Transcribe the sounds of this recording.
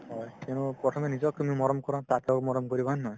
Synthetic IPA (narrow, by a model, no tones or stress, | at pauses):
ɔjtenupɹɔtʰɔmɛnizɔkumimɔɾɔmkɔɾãtatokmɔɾɔmkɔɹibɔanːj